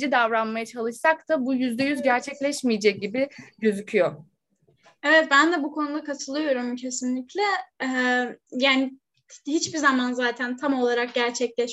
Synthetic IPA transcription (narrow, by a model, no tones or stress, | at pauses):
id̪avɾanmajat͡ʃʰalˠɯʃsak̚t̪abujyzd̪ɛjyzɟæɾt͡ʃʰɛclʲɛʃmijed͡ʒɛc̚ɟibiɟøzycʰyjo | ɛvɛt̪̚bænd̪ɛbukʰo̞nud̪akat̪ʰɯlˠɯjo̞ɾumcʰe̞sinlʲiclʲɛ | jaːni | hit͡ʃbiɾzamanzaːt̪ʰænt̪ʰamo̞lˠaɾak̚ɟæɾt͡ʃʰɛclʲɛʃ